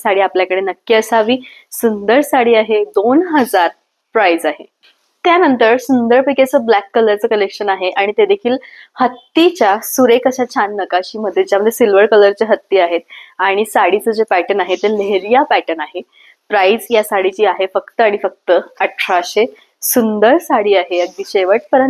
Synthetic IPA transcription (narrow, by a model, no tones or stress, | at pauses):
saɽiːapljakəɽenəkːjəsaʋiːsund̪əɾsaɽiːaɦed̪onɦəd͡zaɾ | pɾajd͡zaɦe | t̪janənt̪əɾsund̪əɾpəket͡səːblækːələɾt͡səːkəlekɕənaɦeʔaɽ̃it̪ed̪ekʰiːlhət̪ːit͡ɕjasuɾekəɕat͡ɕʰanːəkaɕiːməd̪ʱːjet͡ɕjaməd̪ʱjesilʋəɾkələɾt͡seɦət̪ːiːaɦet̪̚aɽ̃isaɽit͡səd͡ʑepæʈənaɦet̪eleɦɾijapæʈənaɦe | pɾaid͡zjasaɽit͡ɕiːaɦefəkt̪əaɽ̃ifək̚t̪əəʈʰɾaɕe | sund̪əɾsaɽiːaɦeəɡ̚d̪iːɕeʋəʈ̚pəɾən